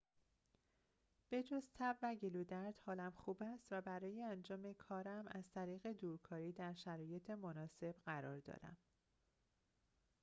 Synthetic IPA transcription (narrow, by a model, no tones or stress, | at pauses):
b̥e̞d͡ʒozt̪ʰæbvæɟe̞luːd̪æɾd̪̥hɒːlæmxuːbæst̪væbæɾɒːjeænd͡ʒɒːme̞kʰɒːɾæmæz̥t̪ʰæɾiːɣe̞d̪uːɾkʰɒːɾiːd̪æɾʃæɾɒːje̞t̪ʰemonɒːse̞b̥ɢæɾɒ̰ːɾd̪ɒ̰ːɾæ̰m